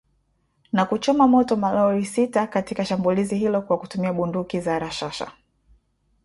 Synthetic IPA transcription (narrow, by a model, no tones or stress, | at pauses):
nakut͡ʃɔmamɔtɔmalɔɾisitakatikaʃambuliziɦilɔkwakutumiaɓundukizaɾaʃaʃa̰